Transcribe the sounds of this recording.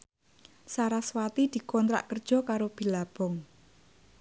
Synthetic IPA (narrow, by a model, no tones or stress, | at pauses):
saɾaswat̪id̪̥i̤kɔnt̪ɾa̰ʔkərd̥ʒ̥ɔ̤kaɾob̥i̤lab̥ɔŋ